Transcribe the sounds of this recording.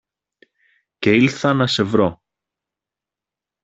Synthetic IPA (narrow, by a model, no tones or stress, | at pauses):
ceilθɐnɐsevɾo